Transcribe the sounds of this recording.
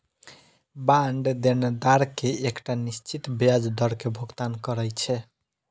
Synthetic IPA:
baɳɖd̪end̪aɾkeekʈanist͡ʃʰit̪bjad͡ʒd̪əɾkebʱoɡt̪ankəɾɛt͡ʃʰɛ

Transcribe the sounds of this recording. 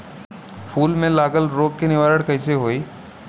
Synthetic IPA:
pʰuːlmẽlaːɡəlɾoːɡ̚kenɪʋaːɾəɽkɐɪseɦoːiː

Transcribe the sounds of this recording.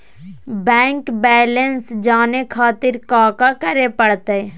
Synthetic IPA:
bɛ̃ːŋkbɛːlənsd͡ʒaːnekʰaːt̪ɪɾkaːkakəɾepəɽt̪eɛ

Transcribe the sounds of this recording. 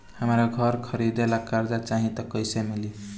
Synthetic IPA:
həmɾaɡʱʌɾkʰʌɾid̪elakaɾd̪at͡ʃaɦĩt̪ʌkəjsemili

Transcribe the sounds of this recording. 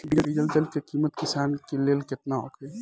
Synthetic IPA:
ɖiəɾid͡ʒəld̪elkekiːmət̪kɪsaːnkeleːlkɪt̪nao̰kʰe

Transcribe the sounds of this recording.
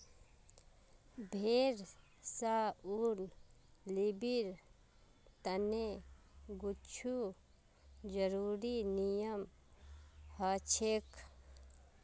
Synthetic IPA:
bʱeːɾ | sauɾnlibiɾ | t̪əneɡut͡ʃʰu | d͡ʒəɾuːɾinijəm | hat͡ʃʰek

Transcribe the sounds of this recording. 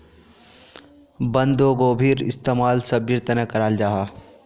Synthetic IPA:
bə̃nd̪oɡoːbʱiːɾɪ̰st̪eːmaːlsɐbjɪɾt̪ɐnəkɐɾaːld͡ʒaːɦaː

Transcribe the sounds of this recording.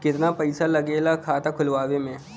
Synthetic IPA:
kɪt̪napɐɪsalɐɡeːlakʰaːt̪akʰʊlʋaːʋemẽː

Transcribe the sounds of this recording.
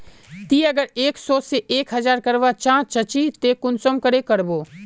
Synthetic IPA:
t̪iːɐɡəɾeːksɔːseʔeːkɦɐzaːɾkəɾʋat͡ʃãːt͡ʃɐt͡ʃit̪eːkʊnsəmkəɾekəɾboː

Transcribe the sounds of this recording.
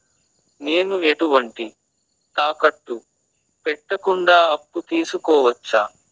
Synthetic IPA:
ne̞ːnueʈuʋɐɳʈi | t̪aːkɐʈːu | pɛʈːɐkuɳɖaːɐpːut̪iːsukɔːʋɐt͡ʃːaː

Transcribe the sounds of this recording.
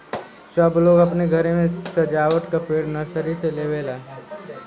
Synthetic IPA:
səbloːɡɐpneɡʱɐɾemẽsɐd͡ʒaːʋəʈ̪kapeːɽnɐsəɾiseleːʋeːlaː

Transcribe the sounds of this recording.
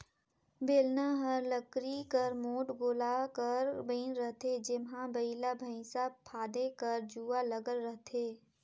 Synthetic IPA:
beːlnaɦəɾləkɾikəɾmoːʈɡoːlakəɾbĩːnɾəɦt̪ed͡ʒɪmɦãbɐilabʱə̃sapʰaːd̪ekɐɾd͡ʒuːaləɡəlːəɦt̪ʰeː

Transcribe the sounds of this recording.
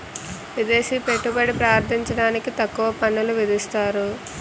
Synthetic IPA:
ʋid̪eːsiːpe̞ʈːubɐɽipɾaːɾt̪ʰiɲt͡ʃɐɽaːnikit̪ɐkːuʋɐpɐɳːɐluʋid̪ist̪aːɾu

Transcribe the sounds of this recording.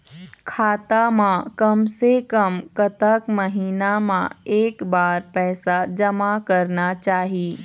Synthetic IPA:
kʰaːt̪amãkəmsekəmkət̪əkməɦiːnamã̰eːkbaːɾpɛːsad͡ʒəmakəɾnat͡ʃaːɦiː

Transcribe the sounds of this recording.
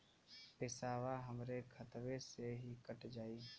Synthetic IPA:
pɪsaːʋaɦɐmɾekʰɐt̪ʋeseɦikəʈd͡ʒaːiː

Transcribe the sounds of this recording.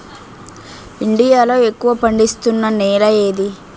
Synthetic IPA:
iɳɖijaːlo̞ːe̞kːuʋɐpɐɳɖist̪unːɐnɛːɾɐjeːd̪i

